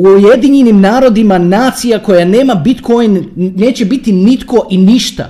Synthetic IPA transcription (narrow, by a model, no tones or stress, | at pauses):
uuje̞d̪iɲenimnaːɾo̞d̪imanaːt̪sijako̞jane̞ːmabit̪ko̞jnne̞ːt͡ɕebit̪init̪ko̞ʔiniʃt̪a̰